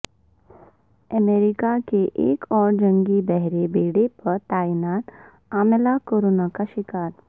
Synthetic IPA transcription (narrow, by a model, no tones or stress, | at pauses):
əmeːɾɪkakeʔeːkɔːɾd͡ʒɐ̃ŋɡibɛɦɾebeːɽepɐɾt̪aːinaːʈ | aːmelakoːɾoːnakaʃɪkaːɾ